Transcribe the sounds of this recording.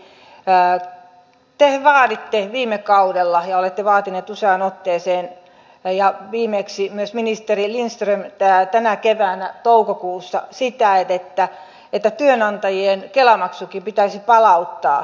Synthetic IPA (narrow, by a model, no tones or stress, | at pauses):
t̪eʋɑːdit̪ːeʋiːmekɑudelːɑjɑolet̪ːeʋɑːt̪ineːt̪useɑːˑnot̪ːeːseːn | jɑʋiːmeksimyøsminist̪erilinst̪rømæt̪ænækeʋæːnæt̪oukokuːsːɑ̰sit̪æet̪et̪ːæ | et̪ːæt̪yønɑnt̪ɑjienkelɑmɑksukipit̪æisipɑlɑut̪ːɑ̰ː